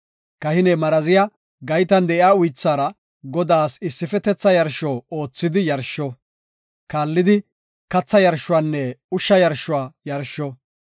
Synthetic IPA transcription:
kɐhɪnɛmɐɾɐzɪjɐ | ɡɐjt̪ɐnd̪ɛʔɪaːʊjt͡sːaːɾɐ | ɡɔd̪aːsɪsːɪfɛt̪ɛt͡sːɐjɐɾʃɔːo̞ːt͡sːɪd̪ɪjɐɾʃːɔ | kaːlːɪd̪ɪ | kɐt͡sːɐjɐɾʃʊwaːnːɛʊʃːɐjɐɾʃʊwaːjɐɾʃːɔ

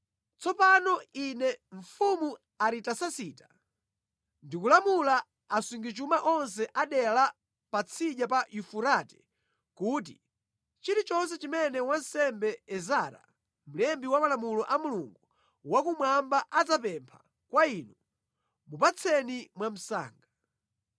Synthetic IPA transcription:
t͡sʰɔpanɔinɛɱ̩fumu | aɾitasasiːta | ndikulamulaː | suŋɡit͡ʃumaʔɔns̬ɛʔaɗɛla | pat͡sʰiʄjapajufuɾatɛ̥ | kuːt̬i | t͡ʃiɾit͡ʃɔns̬ɛt͡ʃimɛnɛwansɛmbɛɛzaɾa̰ | m̩lɛmbiwamalamulɔʔamuluŋɡu | wakumwambaʔad͡zapɛmpʰa | kwainu | mupat͡sʰɛnimwam̩sa̰ːŋɡa

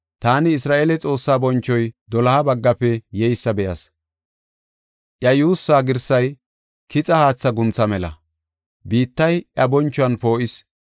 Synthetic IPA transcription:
t̪aːnɪːsɾaːʔeːlɛt͡sʼo̞ːsːaːbɔnt͡ʃːɔjd̪ɔlɐabɐɡːɐpːɛjɛjsːɐbɛjɐs | ʔjɐjuːsːaːɡɪɾsɐj | kɪt͡sʼɐhaːt͡sːɐɡʊnt͡sːɐmɛlɐ̰ | biːt̪ːɐjɐbɔnt͡ʃːɔɐnpoːʔɪs

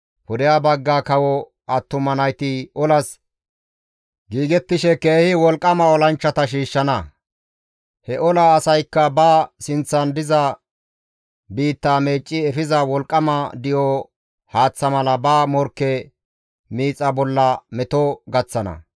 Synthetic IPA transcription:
pʊd̪ɪjabɐɡːaːkɐwɔ | ɐt̪ːʊmɐnɐjt̪ɪʔɔlɐs | ɡiːɡɛt̪ːɪʃɛke̞ːhɪwɔlkʼːɐmɐɔlɐnt͡ʃːɐt̪ɐʃ̬iːʃːɐnɐ | hɛʔɔlɐːsɐjkːɐbɐsɪnt͡sːɐnd̪ɪzɐ | biːt̪ːaːme̞ːt͡ʃʼːɪɛfɪzɐwɔlkʼːɐmɐd̪ɪjɔ | haːt͡sːɐmɐlɐbɐːmɔɾkːɛ | miːt͡sʼːɐbɔlːɐmɛt̪ɔɡɐt͡sːɐnɐ̰

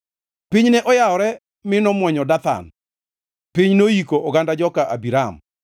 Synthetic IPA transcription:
piɲnɛʔɔjaɔɾɛ | mɪnɔmwɔɲɔdat̪a̰n | pɪɲnojikoʔɔɡandad͡ʒɔkaʔabiɾam

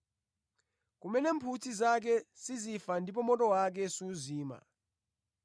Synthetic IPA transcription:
k̬umɛnɛːmpʰutʰizak̬ɛsizifandʱip̬ʼɔmɔtʼɔwak̬ɛsuːziːma̰

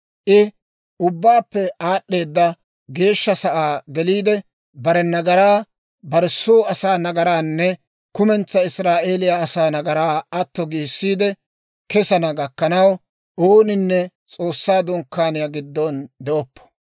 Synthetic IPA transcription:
ʔɪ | ʊbːaːpːɛʔaːɗːe̞ːd̪ːɐ | ɡe̞ːʃːɐsɐʔaːɡɛliːd̪ɛ | bɐɾɛnɐɡɐɾaː | bɐɾsːoːɐsaːnɐɡɐɾaːnːɛ | kʊmɛnt͡sːɐɪsɾaːʔe̞ːlɪjaːsaːnɐɡɐɾaːɐt̪ːɔɡiːsːiːd̪ɛ | kɛsɐnɐɡɐkːɐnɐw | oːnɪnːɛ | t͡sʼo̞ːsːaːd̪ʊŋkːaːnɪjaɡɪd̪ːɔnd̪ɛʔɔpːɔ̥

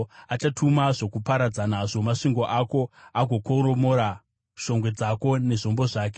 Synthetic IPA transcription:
at͡ʃatʰumaʐokupaɾad͡zanaʐo̞maʂiŋɡo̞ʔako̞aɡʱo̞koɾo̞mo̞ɾa | ʃo̞ŋɡwe̞d͡zako̞ne̞ʐo̞mbo̞ʐaːk̬e

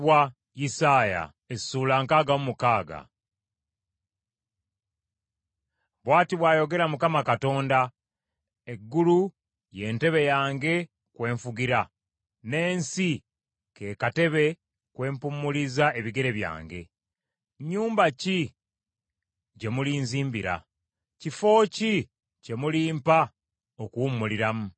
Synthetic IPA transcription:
wa | jisaːja̰ | e̥suːlaːŋkaːɡaumukaːɡa̰ | βwaːtiβwaːjo̞ɡe̞ɾamukamakato̞ːnda | e̞ɡːulu | je̞ːnte̞βe̞jaːŋɡe̞ | kwe̞ːɱfuɡiɾa | ne̞ːnsi | ke̞kate̞βe̞ | kwe̞ːmpumːulizae̞βiɡe̞ɾe̞βja̰ːŋɡe̞̰ | ɲuːmbaci | ɟe̞mulinziːmbiɾa̰ | cifo̞ːci | ce̞muliːmpa | okuwumːuliɾamu

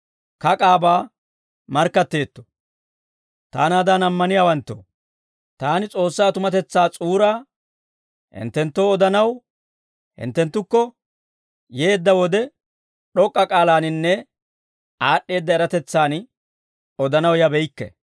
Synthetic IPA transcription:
kɐkʼaːbaː | mɐɾkːɐt̪ːe̞ːt̪ːo̥ | t̪a̰ːnaːd̪aːnɐmːɐnɪjaːwɐnt̪ːo̰ | t̪aːnɪt͡sʼo̞ːsːaːt̪ʊmɐt̪ɛt͡sːaːt͡sʼuːɾaː | hɪ̰nt̪ːɛnt̪ːo̞ːɔd̪ɐnɐw | hɪ̰nt̪ːɛnt̪ːʊkːɔ | jeːd̪ːɐwɔd̪ɛ | ɗɔkʼːɐkʼaːlaːnɪnːɛ | aːɗːe̞ːd̪ːɐɛɾɐt̪ɛt͡sːaːn | ɔd̪ɐnɐwjɐbɛjkːɛ̰

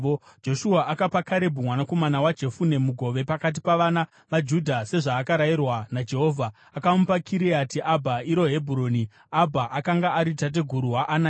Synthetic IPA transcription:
d͡ʒo̞ʃuaʔakapakaɾe̞bʱumwanako̞manawad͡ʒe̞fune̞muɡʱo̞ʋe̞pakat̬ipaʋana | ʋad͡ʒudʱase̞ʐaːkaɾairwanad͡ʒe̞ɦo̞ːvʱaːkaupakʰiɾiatiʔabʱaiɾo̞ɦe̞bʱuɾo̞ːni | abʱaʔakaŋɡaʔaɾitat̬e̞ɡʱuɾuɦaʔːna

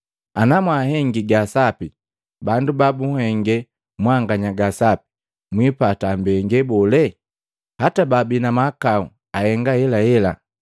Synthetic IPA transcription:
anamwaɦɛŋɡiɡasapi | bandubabuhɛŋɡɛ | mwaŋɡaɲaɡasapi̥ | mwipatambɛŋɡɛbɔlɛ | hatababinamakau | ahɛŋɡahɛlahɛla̰

